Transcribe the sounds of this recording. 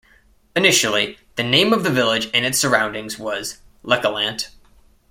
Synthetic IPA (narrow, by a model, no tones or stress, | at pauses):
ɨnɪʃl̩ˠiðɨnẽɪ̃mʌvðɨvɪlˠɪd͡ʒɨ̃nɨtsə˞ãʊ̃ndɪ̃ŋzwʌzlɛkəlæ̃nt